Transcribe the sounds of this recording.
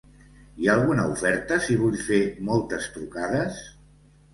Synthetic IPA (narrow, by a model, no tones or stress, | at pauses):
iaːlˠɣunəufɛɾt̪əsiβ̞uʎfemɔlˠt̪əst̪ɾukaðəs